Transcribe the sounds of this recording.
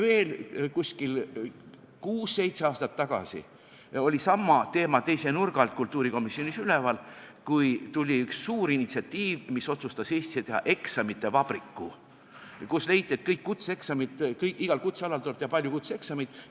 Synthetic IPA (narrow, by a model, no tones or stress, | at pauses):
ve̞ːlkusʲkil | kuːsːe̞jt̪se̞ɑːst̪ɑt̪ːɑɡ̥ɑ̰sḭ | o̞lʲisɑmːɑt̪e̞ːmɑt̪e̞jsenurɡ̥ɑlt̪̚kult̪ːˑuːɾiko̞misːio̞nisylɛvɑlkujt̪ulʲiyksːuːɾinːit̪siɑt̪ːiːvmiso̞t̪sust̪ɑseːsʲt̪i̥set̪e̞ɦɑ̰ʔe̞ksɑmit̪ːˑe̞vɑb̥ɾikːu | kusle̞jt̪ʲːˑie̞t̪kɤjkːut̪see̞ksɑmit̪kɤjkiɡ̥ɑlkut̪seɑlɑlt̪ulebt̪ehɑpɑlʲjukut̪see̞ksɑmit̪ˑ